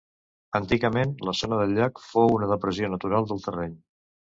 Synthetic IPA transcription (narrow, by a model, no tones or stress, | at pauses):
ənt̪iɣəmenləzonəðəʎːakfounəðəpɾəzionət̪uɾalˠd̪əlˠt̪ərɛɲ